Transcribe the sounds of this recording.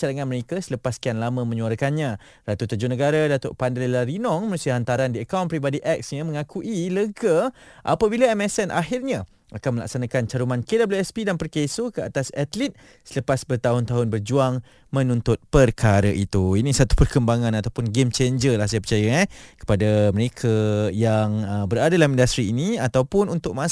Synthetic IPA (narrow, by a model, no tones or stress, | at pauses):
aɾaŋanməɾekasələpaskianlamə̃mə̃ɲũaɾəkanɲã | rat̪ut̪əd͡ʒunəɡaɾadat̪oʔpandəllaɾinɔŋməɾusiaɦant̪aɾandiəkawnpɾibadiʔɛk̚sɲamə̃ŋakuʔiləɡaʔa̰pabilaɛmɛsɛnʔa̰ɦɪrɲã | akanməla̰k̚sanakant͡ʃaɾumankedabluɛspidanpərkesokəat̪asat̪lit̪̚ | sələpasbərt̪aɦʊnt̪aɦʊnbərd͡ʒuaŋ | mə̃nunt̪ʊt̪̚pərkʰaɾaʔit̪uinisat̪u̥pərkəmbaŋãnat̪awpʊnɡemt͡ʃeɲd͡ʒəlahsajəpət͡ʃajaakə̥padaməɾekʰajaŋəbəɾadaalamĩndast̪ɾiːniat̪awpʊnunt̪ʊk̚mã